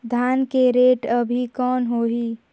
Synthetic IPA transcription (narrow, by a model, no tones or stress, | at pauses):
d̪ʱaːnkeɾeːʈɐbʱikɔːnɦoːɦiː